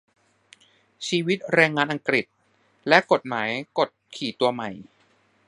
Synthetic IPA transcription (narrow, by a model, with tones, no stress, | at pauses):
t͡ɕʰiː˧wi˦˥t̪̚ɾɛː˧ŋːaː˧nʔa˧ŋkɾi˨˩t̪̚ | lɛ˦˥ʔko˨˩t̪̚maː˩˦jko˨˩t̪̚kʰiː˨˩t̪u˧ɐma˨˩j